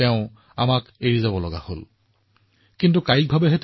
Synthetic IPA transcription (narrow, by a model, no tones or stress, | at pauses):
ɛʊ̃ | a̰makeɹizabɔlɔɡa̰ho̰l | kintukajik̚bʱabɛɦɛt